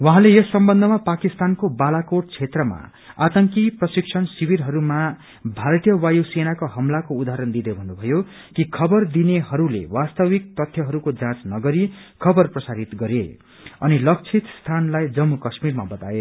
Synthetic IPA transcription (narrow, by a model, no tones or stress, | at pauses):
wʌɦãlejʌsʌmbʌnd̪ʱʌmapakist̪ankobalakoʈ̚t͡sʰet̪rʌma̰ | at̪ʌŋkiprʌsikt͡sʰʌnsibiɾɦʌɾuma | bʱaɾʌt̪ijʌwajusenakoɦʌmlakoud̪aɦɾʌnd̪id̪ebʱʌnːubʱʌjo | kikʰʌbʌrd̪ineɦʌɾulḛwast̪ʌwik̚t̪ʌt̪ʰjʌɦʌɾukod͡zãt͡snʌɡʌɾikʰʌbʌrprʌsaɾit̪ɡʌɾe | ʌ̰nilʌk̚t͡sʰit̪st̪ʰanlajd͡zʌmːukʌsmirma̰bʌt̪a̰e